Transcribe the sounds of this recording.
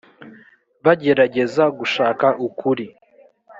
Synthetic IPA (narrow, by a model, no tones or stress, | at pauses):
βaɟe̞ɾaɟe̞zaɡuʃaːkaʔukʰuɾi